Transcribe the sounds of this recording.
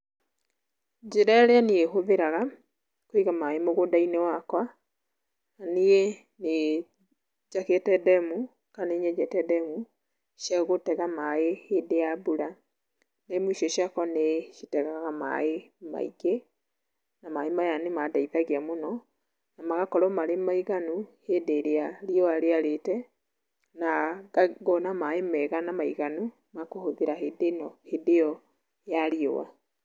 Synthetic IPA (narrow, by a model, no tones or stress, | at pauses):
d͡ʑeɾaeɾeaneeɦoðeɾaɣa | koiɣamaemoɣodainewakwa | nanee | ne | d͡ʒaketɛdɛmu | kaneɲɛd͡ʒɛtɛdɛmu | ʃjaɣotɛɣamaehedeabuɾa | nemuiʃjɔʃjakwaneʃitɛɣaɣama̰ema̰ḭɡe | namaemajanemadaiðaɣiamonɔ | namaɣakɔɾɔmaɾemaiɣanuhedeɾeaɾiɔaɾeaɾetɛ | naaɣɔnamaemɛɣanamaiɣanu | makohoðeɾaɦedenɔhedeɔ | jaɾio̰wa̰